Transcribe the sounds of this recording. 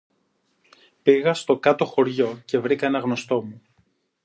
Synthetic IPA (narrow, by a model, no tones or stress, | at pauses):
piɣɐst̪o̞kɐt̪o̞xo̞ɾʝo̞ce̞vɾikɐenɐɣno̞st̪o̞mu